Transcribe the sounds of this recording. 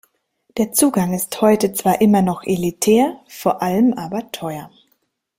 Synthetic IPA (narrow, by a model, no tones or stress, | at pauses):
d̥eːɐt͡suːɡaŋɪsthɔʏtət͡sv̥aːɐʔɪmɐnɔχʔelitʰɛːɐfoːɐʔaləmʔaːbɐtʰɔʏɐ